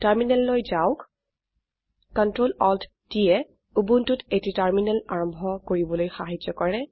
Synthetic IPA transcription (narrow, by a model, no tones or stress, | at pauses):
taɹminɛlːojzaʊk | kɔntɹolɔld | tijɛ | ubuntutetitaɹminɛlaɹɔmbʱɔkoɹibɔlojxaɦid͡ʒɔkɔɹɛ